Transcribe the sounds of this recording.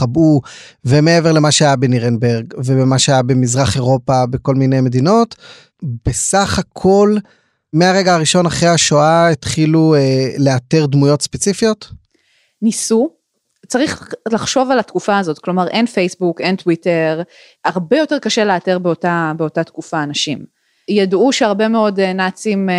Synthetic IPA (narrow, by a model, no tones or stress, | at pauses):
abu | veme̞e̞ve̞ʁle̞maʃeajabeniʁenbeʁɡvebemaʃeajabe̞mizʁaχe̞ʁo̞pabeko̞lminejme̞d̪ino̞t | be̞saχhakʰo̞l | me̞aʁe̞ɡaaʁiʃo̞naχʁehaʃoaet̪χilueleateʁdmujo̞tspe̞t͡sifijo̞t | nisu | t͡saʁiχlaχʃo̞valatkufaːzo̞tklo̞maʁʔe̞nfejsbuke̞ntwiteʁ | aʁbe̞jo̞teʁkaʃe̞leate̞ʁbeotabeo̞tatkufaːnaʃim | jaduʃeaʁbe̞meo̞dnat͡sim